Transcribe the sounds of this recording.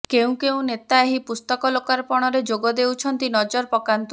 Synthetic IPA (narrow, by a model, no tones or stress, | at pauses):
keũkeũnet̪aeɦipust̪ɔkɔlokaɾpɔɽ̃ɔɾed͡ʒoɡɔd̪ewt͡ʃʰɔnt̪inɔd͡ʒɔɾpɔkant̪u